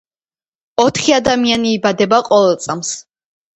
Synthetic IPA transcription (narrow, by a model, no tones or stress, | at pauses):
ɔt̪ʰχiad̪amianiːbad̪ɛbaqʼɔvɛlˠt̪sʼams